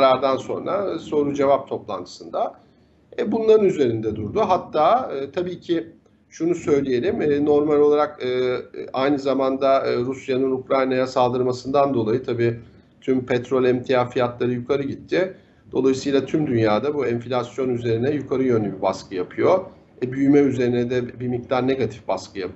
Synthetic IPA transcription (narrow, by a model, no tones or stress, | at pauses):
ɾaɾd̪anso̞̰nɾaso̞ɾud͡ʒe̞vap̚t̪ʰo̞plˠant̪ʰɯ̥sɯnd̪a | ɛbunlˠaɾɯnyze̞ɾind̪ɛd̪uɾd̪uɦat̪ʰːaːɯːt̪ʰabiːcʰɪ | ʃunusø̞jlʲeje̞lʲimɛːno̞ɾmalʲolˠaɾakɯːajnɯzamand̪aɾusjanɯnukɾajnajasalˠd̪ɯɾmasɯnd̪and̪o̞lˠajɯt̪ʰabiː | t̪ʰympʰɛt̪ɾo̞lʲɛmt̪ʰijafijat̪lˠaɾɯjukʰaɾɯɟit̪ʰːɪ | d̪̥o̞lˠajɯsɯjlˠat̪ʰymd̪ynjaːd̪abuɛnflʲasjo̞nyze̞ɾinɛjukʰaɾɯjø̞nlʲɛbibaskʰɯjapʰɯjo̞ | ɛbyjymɛyze̞ɾinɛd̪ɛbimic̚t̪aɾne̞ɡat̪ʰi̥fbaskʰɯjap